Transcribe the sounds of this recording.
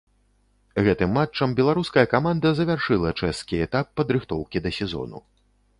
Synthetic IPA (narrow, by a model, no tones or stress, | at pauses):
ɣɛt̪ɨmːat͡ʂːɐmbʲɛlˠaɾuskɐjɐkamand̪ɐzɐvʲarʂɨlˠɐt͡ʂɛskʲiɛt̪apːɐd̪ɾɨxt̪ɔwkʲid̪ɐsʲɛzɔ̰nṵ